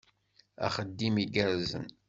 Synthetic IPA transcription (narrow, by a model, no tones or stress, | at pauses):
æ̰χəd̪ːimiɡæɾzə̰n